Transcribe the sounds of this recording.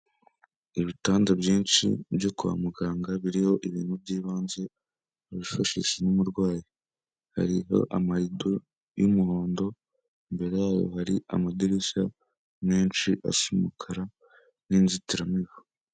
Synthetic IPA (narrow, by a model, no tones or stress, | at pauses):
iβitaːndabjiːnʃḭbjokuβa̰muɡaːŋɡaβiɾiho̞ʔiβiːnhubɟiːβaːnze̞ | aβifaʃḭʃenumuɾɡwaːji | ha̰ɾiɦo̞̰ʔamaɾido | jumuho̞ːndo̞ | imbe̞ɾe̞jaːjo̞̰haɾia̰madiɾiʃa̰ | neːnt͡ʃiʔa̰simukʰaɾa | niːnzitiɾamiβo